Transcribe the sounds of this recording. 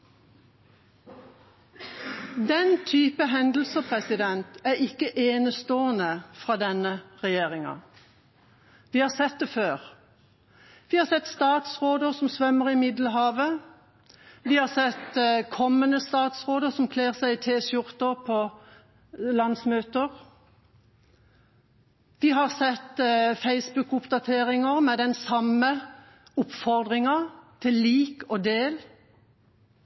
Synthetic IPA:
d̪ɛnt̪ʰyːpəɦɛnd̪l̩səpʰʁɛsɪd̪ɛnt̪æːʁɪkəʔeːnəst̪oːənəfʁɑːd̪ɛnəʁɛjeːʁɪŋɑ̰ | ʋiːhɑːsɛt̪̚d̪ɛføːʁ | ʋiːhɑsɛt̪st̪ɑːt̪sʁoːd̪əʁsɔmsʋœməʁɪmɪd̪lɦɑːʋə | ʋiːhɑːsɛt̪kʰɔmːənəst̪ɑːt̪sʁoːd̪əʁsɔmkʰleːʁsæɪɪt̪ʰeːʃʊʁt̪əʁpʰɔ | lɑnsmøːt̪əʁ | ʋiɦɑʁsɛt̪feɪsbʉkʊpd̪ɑt̪ʰeːʁɪŋəʁmɛd̪ɛnsɑmə | ʊpfɔʁd̪ʁɪŋɑt̪ʰɪlːiːkoːd̪eːl

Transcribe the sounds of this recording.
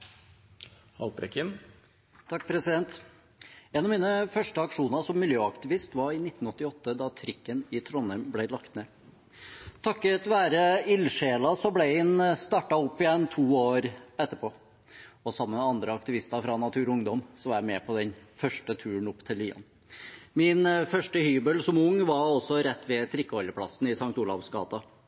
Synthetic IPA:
hɑ̰lt̪ɾɛ̰kɪn | t̪ʰɑkːpʰɾɛsɪd̪ɛnt̪ | ɛnɑʋmiːnəfœʂʈəɑkʂuːnəɾsɔmːɪljøːɑkt̪ɪʋɪst̪ʋɑɾɪnɪt̪ːn̩ɔt̪ːɪɔt̪ːəd̪ɑt̪ʰɾɪkːənɪt̪ʰɾɔnəmblæɪlɑkt̪neː | t̪ʰɑkːət̪ʋæːɾəɪlʂeːlɑsɔblæɪhɪnst̪ɑʈɑʊpːɪjɛnt̪ʰuːoːɾɛt̪ːəpʰoː | ɔsɑmːəmɛɑnd̪ɾəɑkt̪ɪʋɪst̪ɑɾfɾɑnɑt̪ʰʉːɾɔʊŋd̪ɔmsɔʋɑɾæmɛːpʰɔd̪ɛnfœʂʈət̪ʰʉːəɳ̩ɔpːt̪ʰɪliːɑ̰n | mɪnfœʂʈəhyːbəlsɔmʊŋːʋɑɾɔsɔɾɛt̪ːʋɛt̪ʰɾɪkːəɔləpʰlɑ̰sn̩ɪsɑŋt̪uːlɑ̰ʋsɡɑ̰ːt̪ɑ

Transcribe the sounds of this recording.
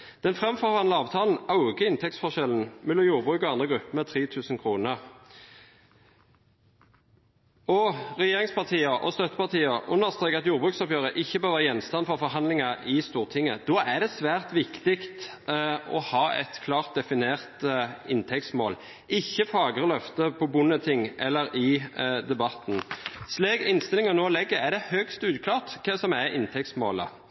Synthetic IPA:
d̪̥ɛnfʁɛmfɔʁʋɑnləɑːʋt̪ʰɑːln̩ɑʉɡəɪnt̪ʰɛk̚tsfɔʁʃɛln̩mɛlɔmjuːʁbʁʉːkɔɑnd̪ʁəɡʁʉpːəmɛt̪ʰʁiːt̪ʰʉːsn̩kʰʁuːnəʁ | ɔʁɛjeːʁɪŋspʰɑʁt̪ʰiːəʔɔ̰st̪œt̪ːə̥pɑʁt̪ʰiːəʔʊnːəʁst̪ʁeːkɑt̪juːʁbʁʉːksɔpjøːʁəʔɪçːəbøːʁʋːɑɑjɛnst̪ɑnfɔʁfɔʁɦɑnlɪŋɑʔɪst̪uːʁt̪ʰɪŋːəd̪oːæd̪ɛsʋæːʁt̪ʋɪkt̪ɪkt̪ | ɔ̰hɑːɛ̰t̪kʰlɑːʁt̪̚d̪ɛfɪneːʁt̪əɪnt̪ʰɛkt̪smo̰ːl | ʔɪçːəfɑːɡəɾəlœft̪əpʰɔbʊnːət̪ʰɪŋʔɛlːəɾɪd̪ɛbɑt̪nsleːɡɪnst̪ɪlɪŋɑnoːlɛɡːəɾæd̪ɛhœkst̪ʉːd̪kʰlɑːʁt̪kʰɛsɔmæɪnt̪ʰɛk̚t̪smoːlə̰

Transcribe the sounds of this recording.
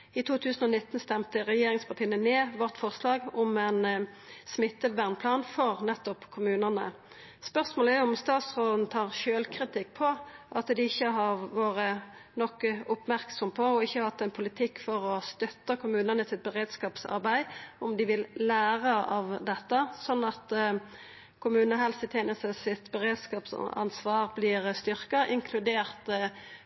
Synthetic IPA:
ɪt̪ʰuːt̪ʰʉːsn̩ɔnɪt̪ːnst̪ɛmt̪əʁɛjeːʁɪŋspʰɑʁt̪ʰiːənəneːʋɔʁt̪fɔʁslɑːɡʊmɛn | smɪt̪ːəbæʁnpʰlɑːnfɔʁnɛt̪ːɔpkʰʊmʉːnənə̰ | spœʁsmoːləæjʊʊmst̪ɑːt̪sʁoːd̪n̩t̪ʰɑːʁʃøːlkʰʁɪt̪ʰɪkːpʰɔʔɑt̪d̪ɪɪçːəɦɑʁʋoːʁə | nɔkːəʊpmæʁksɔmpʰɔɔɪçːəhɑt̪ːɛnpʰʊlɪt̪ʰɪkːfɔʁɔst̪œt̪ːəkʰʊmʉːnənəsɪt̪̚bəʁeːd̪skɑːpsɑ̰ɾbæɪɔmd̪ɪʋɪlːæːʁəɑ̰ʋd̪ɛt̪ːəsɔnːɑt̪ | kʰʊmʉːnəɦɛlst̪ɪt̪ʰjeːnəst̪əsɪt̪bəʁeːd̪skɑːpsɑ̰nsʋɑːʁblɪʁst̪ʏʁkɑʔɪŋkʰlʉd̪eːʁt̪

